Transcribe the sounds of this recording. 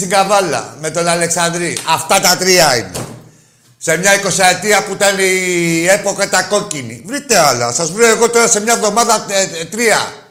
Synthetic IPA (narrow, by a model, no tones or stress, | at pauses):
siŋɡɐvɐlɐ̰me̞t̪o̞nɐle̞ksɐnd̪ɾiɐft̪ɐt̪ɐt̪ɾiɐinḛ | se̞mɲɐiko̞sɐet̪iɐput̪ɐnie̞po̞kɐt̪ɐko̞cinḭvɾit̪e̞ɐlɐ̰sɐzvɾioeɣo̞t̪o̞ɾɐse̞mɲɐvðo̞mɐðɐt̪ɾiɐ̰